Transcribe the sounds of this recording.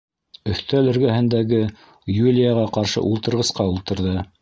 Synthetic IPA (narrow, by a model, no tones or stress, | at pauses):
ɵ̆θt̪ælɘ̆ɾɡæhɘ̆nd̪æɡɘ | julʲɪjaʁɑqɑɾʃɤ̰ʔulˠt̪ɤ̆ɾʁɤ̆sqɑulˠt̪ɤ̆ɾðɤ